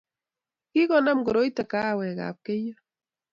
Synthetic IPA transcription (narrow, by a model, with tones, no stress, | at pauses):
ki˦kɔ˨na˦mɡɔ˨ɾo˦i˦tɛ˨ka˦˨wɛ˨ka̰˨p̚ke˦jo˦